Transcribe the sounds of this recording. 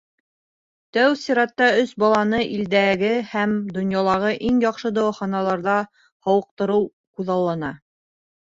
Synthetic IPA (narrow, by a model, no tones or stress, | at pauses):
t̪æwsiɾɑt̪ːɑɵsbɑlˠɑnɤʔild̪æɡɘhæmd̪ŏnjɑlˠɑʁɤʔiŋjɑqʃɤd̪ɑwɑχɑnɑlˠɑɾðɑ | hɑwɤ̆q̚t̪ɤ̆ɾɤw | quðɑlˠːɑnɑ